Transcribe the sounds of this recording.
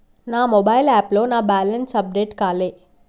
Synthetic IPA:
naːmɔbaːjlaːplo̞ːnaːbaːlɐnsɐp̚ɖeːʈkaːleː

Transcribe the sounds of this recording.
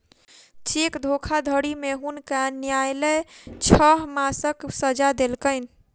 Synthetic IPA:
t͡ʃekd̪ʱokʰad̪ʱəɽimeɦunkanjajlet͡ʃʰəɦmasəksəd͡ʒad̪elkəɪn

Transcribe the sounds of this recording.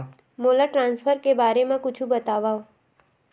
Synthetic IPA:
molaʈɾãnsfʰəɾkebaɾemãkʊt͡ʃʰũbət̪aʋaʋ

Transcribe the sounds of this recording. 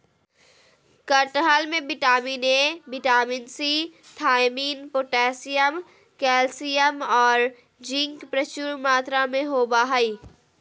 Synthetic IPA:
kəʈɦalmẽbɪʈaːmiːnebɪʈaːminsit̪ʰaːɪmiːnpoːʈɛːsijəm | kɛːlsijəmɔːɾ | d͡ʒɪ̃ŋkpɾət͡ʃuːɾmaːt̪ɾamẽɦoːbaːɦaiː

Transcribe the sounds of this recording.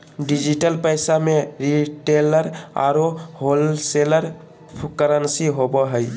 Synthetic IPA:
ɖid͡ʒiʈəlpəɪsamẽɾiʈeləɾa̰ɾoɦolseləɾ | pʰkəɾənsiɦobəɦəj

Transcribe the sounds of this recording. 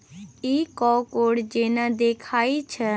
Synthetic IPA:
iːkɔːkoːɽd͡ʒeːnad̪eːkʰaːit͡ʃʰə

